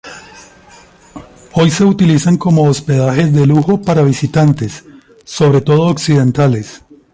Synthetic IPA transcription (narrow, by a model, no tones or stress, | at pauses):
o̞jse̞ut̪ilisaŋko̞mo̞ːspe̞ðaxe̞zd̪e̞luxo̞paɾaβisit̪ant̪e̞sː | o̞βɾe̞t̪o̞ð̞o̞ːksið̞e̞nt̪ale̞s